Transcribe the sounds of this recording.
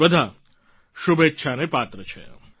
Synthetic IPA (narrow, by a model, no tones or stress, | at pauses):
bəd̪ʱa | ʃubetːʃʰanepat̪ɾət͡ʃʰḛ